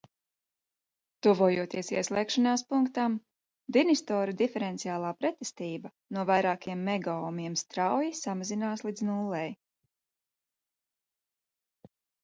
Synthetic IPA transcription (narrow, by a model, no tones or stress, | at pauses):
t̪uvuɔjuɔt̪iɛsiɛslˠɛːkʃanaːspuŋkt̪am | d̪inist̪ɔːɾud̪ifɛɾɛnt̪siaːlˠaːpɾɛt̪ɛst̪iːbɐ | nuɔvajɾaːkiɛmːɛɡaɔmiɛmst̪ɾawjisamazinaːslˠid̪znulˠːɛj